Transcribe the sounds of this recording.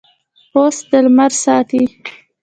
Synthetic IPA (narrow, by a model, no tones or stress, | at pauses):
osd̪əlmaɾsɑːt̪i